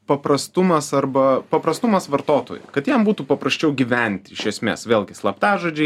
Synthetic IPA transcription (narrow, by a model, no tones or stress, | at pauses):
pɐpɾɐst̪ʊmɐsɐɾbɐpɐpɾɐst̪ʊmɐsʋɐɾt̪oːt̪o̰ːjʊ̰kɐt̪jɛmbuːt̪uːpɐpɾɐsʲt͡ʃʲɛʊɡʲiʋʲɛnʲt̪ʲɪɪʃʲɛsʲmʲḛːsʋʲeːlˠɡʲɪslˠɐpt̪ɑːʒoːd͡ʒʲɛɪ